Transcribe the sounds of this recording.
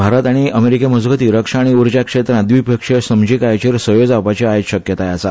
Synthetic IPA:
bʱaɾət̪aɽ̃iəmeɾikeməd͡zɡət̪iːɾəkʂaːɽ̃iuɾd͡ʑjakʂet̪ɾãd̪ʋipəkʂesəmd͡ʑikajt͡ɕiɾsəjod͡zapat͡ɕeajɕəkjət̪ajat͡sa

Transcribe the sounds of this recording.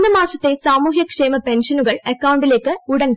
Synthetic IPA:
d̪ɐmaːsɐt̪ːesaːmuːɦjɐkʂeːmɐpɛnʂɐnuɣɐɭɐkːɐwʊɳɖɪleːkːɨʊɽɐn

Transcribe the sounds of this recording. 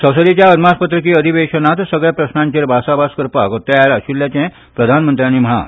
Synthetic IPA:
sə̃wsəd̪it͡ɕjaəd̪maspət̪ɾəkiːəd̪ʱiʋeɕənat̪səɡɭjapɾəsnãɲt͡ɕeːɾbʱasabaskəɾpakot̪ːajalaɕuljat͡ɕɛ̃ | pɾəd̪ʱanmənt̪ɾʲjañiməɦa̰

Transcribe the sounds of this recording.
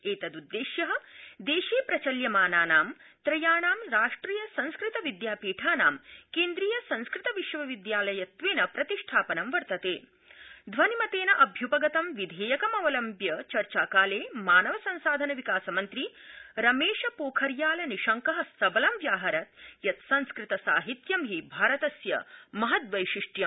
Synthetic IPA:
eːt̪ɐd̪ud̪ːeːʃjɐɦɐ̆d̪eːʃeːpɾɐt͡ʃɐljɐmaːnaːnaːmt̪ɾɐjaːɳaːmɾaːʂʈɾiːjɐsɐ̃nskɾit̪ɐʋid̪jaːpiːʈʰaːna̰ːmkeːnd̪ɾiːjɐsɐ̃nskɾɪt̪ɐʋiʃʋɐʋid̪jaːlɐjɐt̪ʋeːnɐpɾɐt̪iʂʈʰaːpɐnɐmʋɐɾt̪ɐt̪eː | d̪ʱʋɐnimɐt̪eːnɐʔɐbʱjupɐɡɐt̪ɐmʋid̪ʱeːjɐkɐmɐʋɐlɐmbjɐt͡ʃɐɾt͡ʃaːkaːleːmaːnɐʋɐsɐ̃nsaːd̪ʱɐnɐʋikaːsɐmɐnt̪ɾiɾɐmeːʃɐpoːkʰɐɾjaːlɐniʃɐŋkɐɦɐsɐbɐlɐmʋjaːɦɐɾɐt̪̚jɐt̪sɐ̃nskɾɪt̪ɐsa̰ːɦit̪jɐmɦibʱaːɾɐt̪ɐsjɐ̰mɐɦɐt̪ʋɐjʃiʂʈjɐm

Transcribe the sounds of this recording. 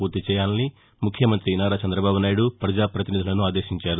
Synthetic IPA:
uːɾt̪it͡ʃɛjaːnni | mukʰjɐmɐnt̪ɾinaːɾat͡ʃɐnd̪ɾɐbaːbunaːjɽupɾɐd͡ʒaːpɾɐt̪inid̪ʱilɐnuaːd̪eːʃiɲt͡ʃaːɾu

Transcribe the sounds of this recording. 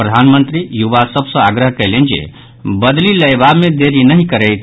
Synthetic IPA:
ɾəd̪ʱanmənt̪ɾijuʋasəbʱsə̃aɡɾəɦkəjlend͡ʒḛ | bəd̪liləjbamed̪eɾinəɦĩkəɾɛjt̪ʰ

